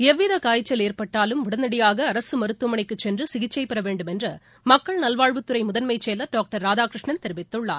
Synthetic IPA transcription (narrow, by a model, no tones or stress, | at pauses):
ɛʋːɪðɐkaːjɪt͡ʃːɐleːrpɐʈːaːlɯmʋʊɽɐnːɐɽɪjaːɣɐːɾɐsɯmɐɾɯt̪ːɯmɐɳɪkːɯt͡ʃːɛndrɯsɪɣɪt͡ʃːɐɪpːɐɾɐʋeːɳɖɯmɛndrɐ | mɐkːɐɭnɐlʋaːɻʋɯt̪ːɯɾɐɪmʊðɐnmɐɪt͡ʃːeːlɐɖaːk̚ʈɐɾːaːd͡ʒaːkɾɪʂɳɐnt̪ɛɾɪʋɪt̪ːɯɭːa̰ːn